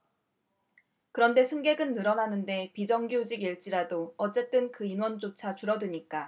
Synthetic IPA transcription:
kɯɾʌnde̞sʰɯŋɡe̞ɡɯnːɯɾʌnanɯnde̞pid͡ʑʌŋɡjod͡ʑiɡiɭt͡ɕ͈iɾadoʌt͡ɕ͈e̞t͈ɯnkɯinwʌnd͡ʑot͡ɕʰat͡ɕuɾʌdɯɲik͈a

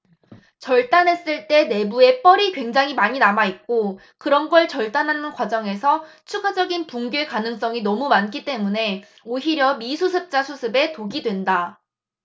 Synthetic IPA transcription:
t͡ɕʌɭt͈anɦe̞s͈ɯɭt͈e̞ne̞bue̞p͈ʌɾikwe̞ŋd͡ʑaŋɦimaɲinamaik̚k͈o | kɯɾʌnɡʌɭt͡ɕʌɭt͈anɦanɯnkwad͡ʑʌŋe̞sʰʌ | t͡ɕʰuɡad͡ʑʌɡinpuŋɡjekanɯŋs͈ʌŋinʌmumank͈it͈e̞mune̞ | oɦiɾjʌmisʰusʰɯp̚t͡ɕ͈asʰusʰɯbe̞toɡidwe̞nda

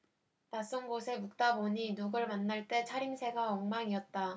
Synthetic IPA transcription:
tas͈onɡosʰe̞muk̚t͈aboɲinuɡɯɭmanːaɭt͈e̞t͡ɕʰaɾimsʰe̞ɡaʌŋmaŋiʌt̚t͈a

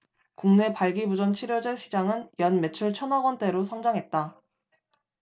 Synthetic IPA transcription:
kuŋne̞paɭɡibud͡ʑʌnt͡ɕʰiɾjod͡ʑeɕʰid͡ʑaŋɯnjʌnme̞t͡ɕʰuɭt͡ɕʰʌnʌɡwʌnt͈e̞ɾosʰʌŋd͡ʑaŋɦe̞t̚t͈a

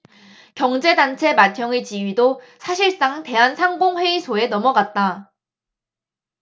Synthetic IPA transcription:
kjʌŋd͡ʑe̞dant͡ɕʰe̞matʰjʌŋet͡ɕiɥido | sʰaɕʰiɭs͈aŋte̞ɦansʰaŋɡoŋɸwe̞isʰoe̞nʌmʌɡat̚t͈a

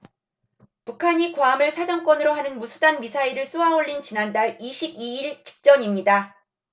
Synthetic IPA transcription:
pukʰaɲikwaːmɯɭsʰad͡ʑʌŋk͈wʌnɯɾoɦanɯnmusʰudanmisʰaiɾɯɭs͈uɦaoɭːint͡ɕinandaɭiɕʰibiiɭt͡ɕʰi̥k̚t͡ɕ͈ʌɲimɲida

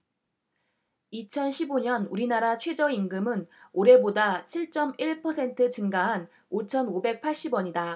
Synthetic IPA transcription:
it͡ɕʰʌnɕʰiboɲʌnuɾinaɾat͡ɕʰwe̞d͡ʑʌinɡɯmɯnoɾe̞bodat͡ɕʰiɭt͡ɕ͈ʌmiɭpʰʌsʰe̞ntʰɯt͡ɕɯŋɡaɦan | ot͡ɕʰʌnobe̞k̚pʰaɭɕ͈ibwʌɲida

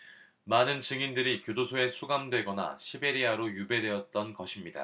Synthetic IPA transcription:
manɯnt͡ɕɯŋindɯɾikjodosʰoe̞sʰuɡamdwe̞ɡʌna̰ɕʰibe̞ɾiaɾojube̞dwe̞ʌt̚t͈ʌnɡʌɕʰimɲida̰

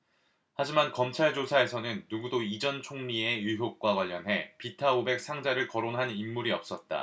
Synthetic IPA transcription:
had͡ʑimankʌmt͡ɕʰaɭd͡ʑosʰae̞sʰʌnɯnːuɡudoid͡ʑʌnt͡ɕʰoŋɲie̞juɦjok̚k͈waɡwaʎːʌnɦe̞pitʰaobe̞k̚sʰaŋd͡ʑaɾɯɭkʌɾonɦanimːuɾiʌp̚s͈ʌt̚t͈a̰

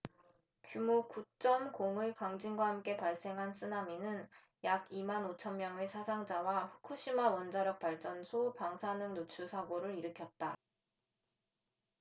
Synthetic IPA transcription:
kjumokut͡ɕ͈ʌmkoŋɯɭkaŋd͡ʑiŋɡwahamk͈e̞paɭs͈e̞ŋɦans͈ʰɯnaminɯn | jaɡimanot͡ɕʰʌnmjʌŋesʰasʰaŋd͡ʑawaɸu̥kʰuɕ͈ʰimawʌnd͡ʑaɾjʌk̚p͈aɭt͡ɕ͈ʌnsʰopaŋsʰanɯŋnot͡ɕʰusʰaɡoɾɯɾiɾɯkʰjʌt̚t͈a

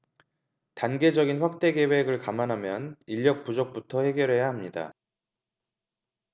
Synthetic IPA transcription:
tanɡe̞d͡ʑʌɡinɸwak̚t͈e̞ɡe̞we̞ɡɯɭkamanɦamjʌniʎːʌk̚p͈ud͡ʑok̚p͈utʰʌhe̞ɡjʌɾɦe̞jaɦamɲida̰

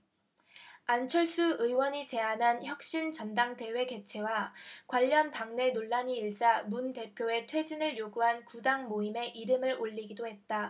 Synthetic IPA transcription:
ant͡ɕʰʌɭs͈uɯiwʌɲit͡ɕe̞anɦançjʌk̚ɕ͈int͡ɕʌndaŋde̞we̞ɡe̞t͡ɕʰe̞wakwaʎːʌnpaŋne̞noɭːaɲiːɭd͡ʑamunte̞pʰjoe̞tʰwe̞d͡ʑinɯɭjoɡuɦankudaŋmoime̞ʔiɾɯmɯɭoʎːiɡidoɦe̞t̚t͈a

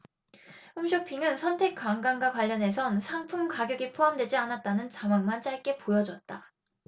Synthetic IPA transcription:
umɕ̬ʰopʰiŋɯnsʰʌntʰe̞k͈waŋɡaŋɡakwaʎːʌne̞s̬ʰʌnsʰaŋpʰumkaɡjoɡipʰoɦamdwe̞d͡ʑianat̚t͈anɯnt͡ɕamwaŋmant͡ɕ͈aɭk͈e̞pojʌd͡ʑʌt̚t͈a

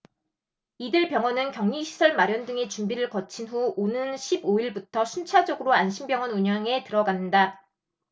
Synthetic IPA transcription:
idɯɭpjʌŋʌnɯnkjʌŋɲiɕʰi̥sʰʌɭmaɾjʌndɯŋe̞t͡ɕumbiɾɯɭkʌt͡ɕʰinɸuonɯnɕʰiboiɭbutʰʌɕʰunt͡ɕʰad͡ʑʌɡɯɾoanɕʰimbjʌŋʌnuɲjʌŋe̞tɯɾʌɡanːɯnda

